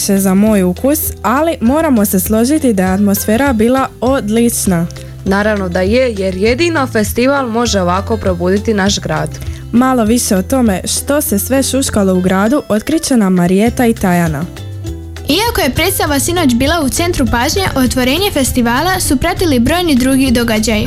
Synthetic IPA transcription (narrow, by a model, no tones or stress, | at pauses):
ʃe̞zamo̞ːjukusalimo̞ːɾamo̞se̞slˠo̞ʒit̪id̪ajeat̪mo̞sfe̞ːɾabiːlˠao̞d̪lit͡ʃna | naːɾaʋno̞d̪aje̞je̞ɾje̞d̪inofe̞st̪iʋalˠmo̞ʒeo̞ʋako̞pɾo̞buːd̪it̪inaʃɡɾaːd̪̥ | malˠo̞ʋiʃe̞ot̪o̞me̞ʃt̪o̞se̞sʋe̞ʃuʃkalo̞uɡɾaːd̪uʔo̞t̪kɾit͡ɕe̞namaɾie̞t̪ait̪ajana | iako̞je̞pɾet̪st̪aʋasino̞ːt͡ɕbiːlˠaut̪se̞nt̪ɾupaːʒɲeʔo̞t̪ʋo̞ɾe̞ːɲe̞fe̞st̪iʋaːlasupɾat̪ilibɾo̞ːjnid̪ɾuːɡid̪o̞ɡad͡ʑaji